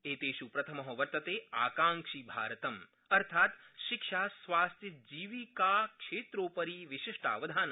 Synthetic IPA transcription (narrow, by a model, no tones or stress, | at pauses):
eːt̪eːʃupɾɐt̪ʰɐmɐɦɐʋɐɾt̪ɐt̪eːaːkaːŋʃiːbʱa̰ːɾɐt̪ɐm | ɐɾt̪ʰaːt̪ʃikʂaːsʋaːst̪ʰjid͡ʒiːʋiːkaːkʂeːt̪ɾoːpɐɾiʋiʃiʂʈa̰ːʋɐd̪ʱaːnɐ